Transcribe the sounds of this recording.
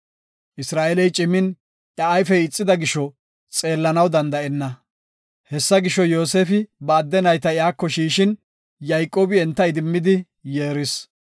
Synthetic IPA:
ʔɪsɾaːʔɛlɛjt͡ʃʼɪmːɪn | ʔɐajfɛjɪt͡sʼːɪd̪ɐɡɪʃɔ | t͡sʼe̞ːlːɐnɐwd̪ɐnd̪ɐʔɛnːɐ | hɛsːɐɡɪʃɔjo̞ːseːfɪbɐːd̪ːɛnɐjt̪ɐɪjaːkːɔʃiːʃɪn | jɐjkʼːoːbɪɛnt̪ːɐɪd̪ɪmːɪd̪ɪ | jeːɾɪs

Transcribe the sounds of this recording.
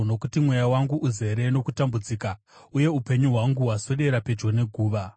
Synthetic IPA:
no̞kutimwejawaŋɡuʔuze̞ɾe̞no̞kutambud͡ziːka | uje̞upe̞ɲuɦwaŋɡuɦwaso̞ɗe̞ɾape̞d͡ʒo̞ne̞ɡʱuːʋa

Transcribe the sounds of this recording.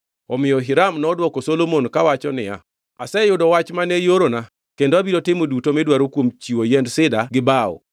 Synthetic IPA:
ɔmɪɔɦɪɾamnɔːdwɔkɔsolomonkawat͡ʃɔnɪja̰ | asɛjʊdɔwat͡ʃmanejoɾona | kendoabidotɪmodutomɛdwaɾokwomt͡ʃiwojɛndsɪdaɡɪbaɔ̰

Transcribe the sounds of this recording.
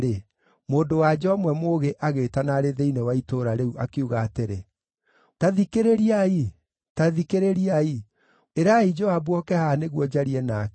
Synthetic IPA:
ɾe | moːndowad͡ʒɔmwɛmoɣeʔaɣetanaɾeðeinewaitoɾaɾeuʔakeuɣaːteɾe | taðikeɾeɾiai | taðikeɾeɾiai | eɾaid͡ʒɔabwɔkɛhaneɣwɔd͡ʑaɾiɛnak

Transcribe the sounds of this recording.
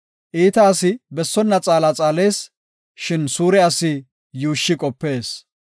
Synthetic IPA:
ʔiːt̪aːsɪbɛsːɔnːɐt͡sʼaːlat͡sʼaːle̞ːs | ʃɪnsuːɾɛɐsɪ | juːʃːɪkʼɔpːe̞ːs

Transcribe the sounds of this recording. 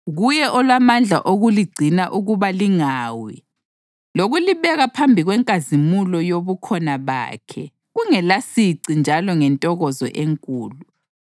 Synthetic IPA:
ɣujɛʔɔlwamand͡ɮʱa̰ʔoɣuliɡ͡ǀʱinaʔuɣuβaliŋaːwi | loɣuliβɛɣapʰambʱiɣwɛŋkʼazimulɔjoβukʰɔnaβa̰ːkʰɛ | ɣuŋɛlasiǀind͡ʒʱalɔŋɛntʼɔɣɔzɔ̰ʔeŋkʼuːlu

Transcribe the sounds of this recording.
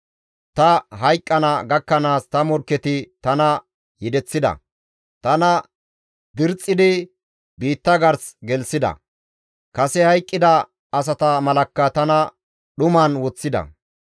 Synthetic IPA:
t̪ɐɦɐjkʼːɐnɐɡɐkːɐnaːst̪ɐmɔɾkːɛt̪ɪt̪ɐnɐ | jɪd̪ɛt͡sːɪd̪ɐ̰ | t̪ɐnɐ | d̪ɪɾt͡sʼːɪd̪ɪ | biːt̪ːɐɡɐɾsɡɛlsɪd̪ɐ̰ | kɐsɛhɐjkʼːɪd̪ɐ | ɐs̬ɐt̪ɐmɐlɐkːɐt̪ɐnɐ | ɗʊmɐnwɔt͡sːɪd̪ɐ̰

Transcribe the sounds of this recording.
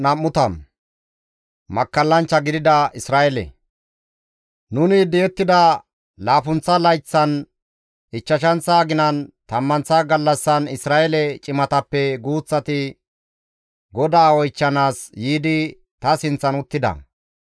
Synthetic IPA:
nɐmːʊt̪ɐm | mɐkːɐlːɐnt͡ʃːɐɡɪd̪ɪd̪ɐɪsɾaːʔɛlɛ̰ | nʊnɪd̪ɛjɛt̪ːɪd̪ɐ | laːfʊnt͡sːɐlɐjt͡sːɐn | ɪt͡ʃːɐʃ̬ɐnt͡saːɡɪnɐnt̪ɐmːɐnt͡sːaɡɐlːɐsːɐnɪsɾaːɛlɛt͡ʃʼɪmɐt̪ɐpːɛɡuːt͡sːɐt̪ɪ | ɡɔd̪aːwɔjt͡ʃːɐnaːsjiːd̪ɪ | t̪ɐsɪnt͡sːɐnʊt̪ːɪd̪ɐ̰

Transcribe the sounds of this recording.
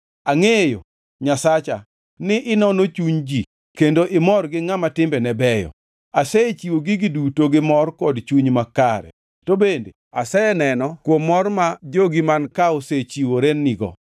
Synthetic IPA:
aŋejo̰ | ɲasat͡ʃa | nɪʔɪnɔnot͡ʃuɲd͡ʒi | kendoʔɪmɔrɡɪŋamatɪmbɛnɛbɛjɔ̰ | aset͡ʃiwoɡiɡidutoɡɪmɔrkɔdt͡ʃuɲmakaɾɛ̰ | tobendḛ | asɛnɛnɔkwomːɔrmad͡ʒoɡimankaoset͡ʃiwoɾenːiɡɔ̰

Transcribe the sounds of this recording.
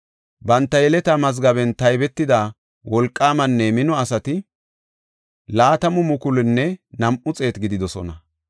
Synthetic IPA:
bɐnt̪ːɐjɛlɛt̪ɐmɐzɡɐbɛnt̪ɐjbɛt̪ːɪd̪aː | wɔlkʼːaːmɐnːɛmɪnɔɐsɐt̪ɪ | laːt̪ɐmʊmʊkʊlɪnːɛnɐmʔʊt͡sʼe̞ːt̪ɡɪd̪ɪd̪ɔsɔ̰nɐ

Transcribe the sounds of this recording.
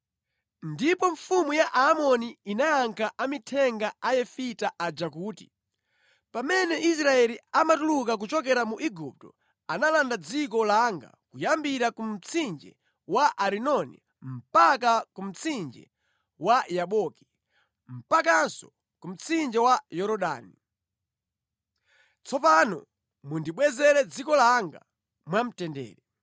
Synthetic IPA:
ndipɔɱfumujaʔaːmɔniinajaŋkʰaamitʰɛŋɡaajɛfitaʔad͡ʒakuːtḭ | pamɛnɛis̬ɾaɛliamatuluk̬ak̬ut͡ʃɔk̬ɛɾamuʔiɡup̚tɔ | analandad͡zikɔlaŋɡa̰kujambiɾakum̩t͡sʰind͡ʒɛ̰ | waʔaɾinɔnḭ | m̩pakakum̩t͡sʰind͡ʒɛ̰ | wajaɓɔki̥ | m̩pak̬ansɔ | kum̩t͡sʰind͡ʒɛwajɔɾɔɗa̰ːni | t͡sʰɔpanɔ̰ | mundiɓwɛzɛɾɛd͡zikɔlaŋɡa̰ | mwam̩tɛndɛ̰ːɾɛ

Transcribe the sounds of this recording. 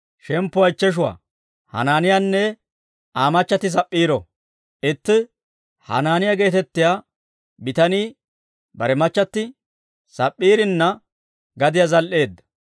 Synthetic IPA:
ʃɛmpːʊɐjt͡ʃːɛʃ̬ʊwa̰ː | hɐ̰naːnɪjanːɛ | aːmɐt͡ʃːɐt̪ːɪs̬ɐpʼːiːɾɔ | ʔɪt̪ːɪ | hɐ̰naːnɪjaɡe̞ːt̪ɛt̪ːɪjaː | bɪt̪ɐniː | bɐɾɛmɐt͡ʃːɐt̪ːɪ | sɐpʼːiːɾɪnːɐ | ɡɐd̪ɪjazɐlʔeːd̪ːɐ̥

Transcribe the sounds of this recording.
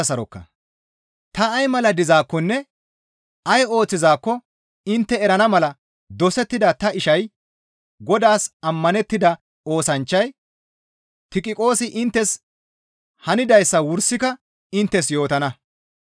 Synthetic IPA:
ɐsɐɾɔkːɐ̰ | t̪ɐːjmɐlɐd̪ɪzaːkːɔnːɛ | ɐjo̞ːt͡sːɪzaːkːɔ | ɪnt̪ːɛɛɾɐnɐmɐlɐ | d̪ɔsɛt̪ːɪd̪ɐt̪ɐɪʃɐj | ɡɔd̪aːsɐmːɐnɛt̪ːɪd̪ɐ | o̞ːsɐnt͡ʃːɐj | t̪ɪkʼɪkʼo̞ːsɪʔɪnt̪ːɛs | hɐnɪd̪ɐjsːɐwʊɾsɪkɐ | ɪnt̪ːɛs̬jo̞ːt̪ɐnɐ

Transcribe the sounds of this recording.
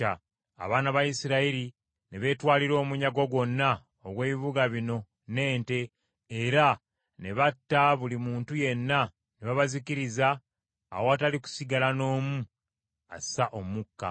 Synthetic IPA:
a | a̰βaːnaβajisiɾaiɾi | neβe̞twaːliɾo̞ːmuɲaɡo̞ɡwo̞nːa | oɡwe̞ːβiβuɡaβino̞ | ne̞ːnte̞ː | ɾa | ne̞βatːaβulimuːntuje̞nːa | neβaβazikiɾiza̰ː | woataliku̥siɡalano̞ːmu | a̰saʔomukːa̰

